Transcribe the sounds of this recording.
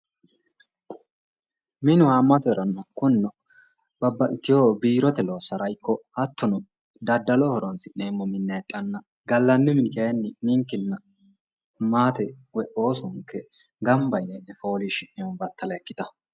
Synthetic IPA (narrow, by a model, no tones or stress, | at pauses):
mɪnʊaːmːɐt̪ɛɾɐnːɐkʊnːʊ | bɐbːɐʔɪt̪ːɪjoːbiːɾɔt̪ɛloːsɐɾɐjkːɔɐt̪ːɔnʊ | d̪ɐd̪ːɐlɔhɔɾɔnsɪʔeːmːɔmɪnːɛɛtʼːɐnːɐ | ɡɐlːɐnːɪmɪnkɐjɛnːɪnɪŋkːɪnːɐ | maːt̪ɛwɛʔo̞ːsʊŋkːɛ | ɡɐmbɐjnɛʔnɛfo̞ːliʃɪʔɪjɔnbɐt̪ːɐlɐɛkːɪt̪ɐ